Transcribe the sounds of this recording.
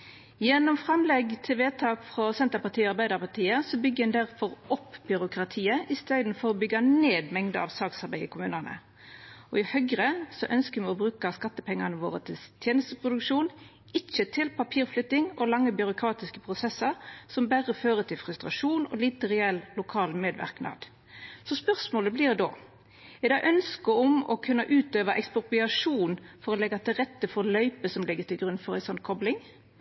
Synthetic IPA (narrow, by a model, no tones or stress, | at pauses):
jɛnːɔmfɾɑmlɛɡt̪ʰeʋeːt̪ʰɑːkfɾɔsɛnt̪əpɑt̪ʰiːɑɾbæɪd̪ɑʁpɑt̪ʰiːəsɔbʏɡːəɛnd̪æʁfɔɾʔɔpːbʏɾʊkɾɑt̪ʰiːəʔɪst̪eːd̪n̩fɔʁɔbʏɡɑneːd̪mɛŋd̪əɑ̰ʋsɑːksɑɾbæɪɪ̰kʰʊmʉːnənə̰ | ɔɪhœɡʁəsɔʔœnskəmɛɔbɾʉːkɑskɑt̪ːəpʰɛŋːɑnəʋo̰ːʁət̪ʰɪst̪ʰjeːnəst̪əpʁʊd̪ʉkʂuːn | ɪt͡ʃːət̪ʰɪlpɑpʰiːʁflʏt̪ːɪŋɔlɑŋːəbʏɾʊkʰɾɑːt̪ɪskəpʰʁʊsɛsːɑɾsɔmbæʁəføːɾət̪ʰɪlfɾʉst̪ʁɑʂuːnɔ̰lɪt̪əɾɛɛllʊkʰɑːlmeːd̪ʋæ̰ʁknɑ̰ːd̪̥ | sɔspœʁsmoːləblɪʁd̪o̰ː | ɛɪd̪ɑːʔœnskəɔmɔ̰kʰʉnːɑʔʉːt̪øːʋɑʔɛkspʊʁpʏɑʂuːnfɔʁɔlɛɡːɑt̪ʰɪlʁɛt̪ːəfɔɾlœʏpəsɔmlɪɡːət̪ʰɪlɡɾʉnːfɔɾæ̰ɪsɔnːkʰɔblɪŋ